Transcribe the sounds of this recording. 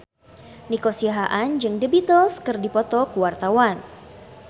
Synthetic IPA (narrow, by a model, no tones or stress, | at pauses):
nikosiaɦaʔand͡ʒɨŋdəbit̪əlskɨrdipɔt̪ɔkuwart̪awan